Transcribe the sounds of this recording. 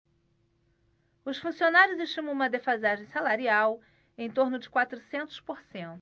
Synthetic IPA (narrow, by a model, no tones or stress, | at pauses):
ʊsfũsionaɾjʊzeʃt͡ʃĩm̃umɐd̪efazaʒẽj̃salaɾiaw | ẽj̃t̪oɾnʊd͡ʒɪkwat̪ɾusẽnt̪ʊ̥spoɾsẽnt̪ʊ